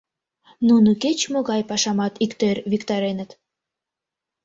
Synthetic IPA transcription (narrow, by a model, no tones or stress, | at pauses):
nunuket͡ɕmoɣɑjpɑʃɑmɑt̪ikt̪erʲβikt̪ɑɾenə̆t̪